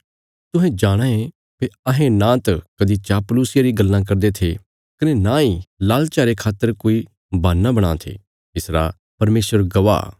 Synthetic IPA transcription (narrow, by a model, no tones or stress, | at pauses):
t̪ʊɦɛ̃d͡ʒaːɽ̃ãẽ | peɐɦẽnãːt̪ɐkɐd̪it͡ʃaːpluːsɪjaɾiɡɐlːãk̬ɐɾd̪et̪ʰe | kɐnenãilaːlt͡ʃaːɾekʰaːt̪ːəɾkoːi | baːnːãbɐɽ̃a̰ːt̪ʰḛ | ɪsɾa̰ | pɐɾmeːsʋəɾɡɐʋa̰ː